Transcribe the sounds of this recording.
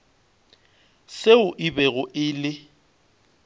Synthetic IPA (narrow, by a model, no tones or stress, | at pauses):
seʊʔɪbɛɣʊʔɪlɪ